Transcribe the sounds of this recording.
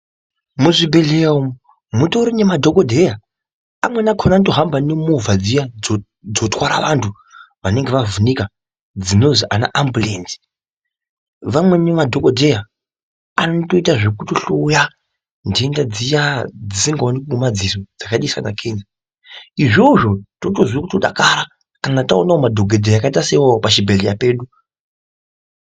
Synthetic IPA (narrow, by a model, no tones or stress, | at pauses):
muʐibe̞ɮeum | mutoɾinemadʱo̞kodʱe̞ja | amwenakʰonantoɦambanemuvad͡zija | d͡zo̞twaɾa̰ʋantʰu | ʋane̞ŋɡeʋavunika | d͡zino̞ziʔa̰na̰ʔambulḛnsi̥ | ʋamwe̞nemadʱokodʱe̞ja | anoto̞itaʐekutoɬoːja | ndendad͡zijad͡zisiŋɡaonikuumad͡zisod͡zakaɗisa̰nakʰenzi | iʐoʐo̞totozwikutoɗa̰kaɾa | kanataonaomadʱoɡʱedʱejakaitasewopaʃibʱeɮejape̞ːɗu